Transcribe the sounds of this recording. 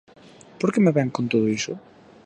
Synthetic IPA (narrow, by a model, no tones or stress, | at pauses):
poɾkemeβɛŋkõnt̪oðoisʊ